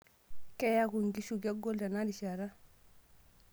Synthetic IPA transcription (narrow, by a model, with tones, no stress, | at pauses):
kɛ˦ja˦ku˨ŋɡi˦ʃu˨ɡa˦ɡo˦lda˨na˦di˨ʃa˨ɾa˦